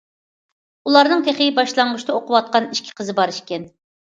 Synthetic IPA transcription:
ulˠɑɾnɨŋt̪ʰeχijʲibɑʃlˠɑɴʁʊʃt̪ɑoqʊwɑt̪̚qɑniʃkʲʰɪ̥qʰəzɨbɑɾɨʃkʲɛn

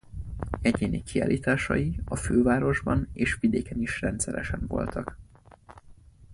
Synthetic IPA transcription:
ɛɟeːnikia̰ːlʔiːt̪aːʃɒjiɒføːvaːɾo̞ʒbɒneːʃʋid̪eːkɛniʃrɛnt̪sɛɾɛʃɛɱvo̞̰lt̪ʰɒk

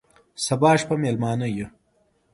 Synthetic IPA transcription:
sɐbɑːʃpɐmelmɑːnɐje

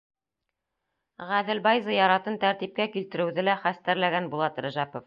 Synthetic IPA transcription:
ʁæðɘ̆lbɑjzɤjɑɾɑt̪ɤnt̪æɾt̪ip̚kækilt̪ɘ̆ɾɘ̆wðɘlæχæst̪æɾlæɡænbulˠɑt̪ɾɘ̆ʒæpof

